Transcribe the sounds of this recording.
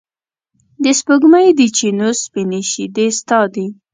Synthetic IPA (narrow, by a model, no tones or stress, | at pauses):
d̪əspʊɡmajd̪it͡ʃenospineʃid̪est̪ɑd̪i